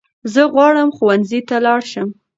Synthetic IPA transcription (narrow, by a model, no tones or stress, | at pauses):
zəɣwɑɽəmxuwanzit̪alɑɽʃəm